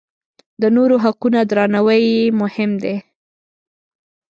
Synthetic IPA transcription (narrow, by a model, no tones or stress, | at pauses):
d̪ənoɾoɦaqunad̪ɾɑnawəjmʊhɪmd̪e